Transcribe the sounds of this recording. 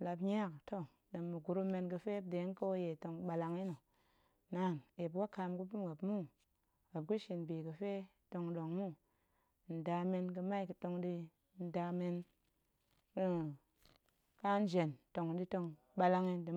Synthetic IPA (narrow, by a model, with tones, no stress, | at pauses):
la˧pɲa˦kto˦ | de˨mːɨ˨ɡu˨ɾu˦me˧nkɨ˧fe˦b̚de˨˦ŋ˦ko˦je˨to˧ŋɓa˧la˧ŋi˦no˨ | na˨˦˨ne˨b̬wa˦ka˧mku˦pu˦mɡa˨bmu˦ | ɡa˨p̚ku˦ʃi˨nbi˨kɨ˨fe˦ | to˧ŋɗo˨ŋmu˦ | n̩˨da˨˧me˧nk̬ɨ˧ma˦i˨kɨ˨to˧ŋdi˧ | n̩˨da˧me˧n | k | ka˦n˦d͡ʒe˨nto˨ŋ˨di˧to˧ŋ | ɓa˧la˧ŋi˧dɨ˨